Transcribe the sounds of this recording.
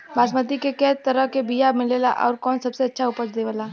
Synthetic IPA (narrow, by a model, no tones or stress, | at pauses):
baːsmət̪ikekɛɦtt̪ːəɾəɦkebijamɪleːla̰ʔɔ̰ːɾkɔːnsɐbseɐtːʃʰaʊpəɾt͡ʃd̪eːʋəlaː